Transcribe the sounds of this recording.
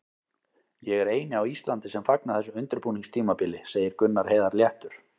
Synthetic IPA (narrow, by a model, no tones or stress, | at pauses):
jɛɣɛɾeːjnɪawist̪lant̪ɪsɛmfak̚naθɛsʏmʏnt̪ʏɾpuːniŋst̪ʰiːmapɪlɪseːjɪɾkʏnːaɾ̥heːjðaɾljɛht̪ʏɾ̥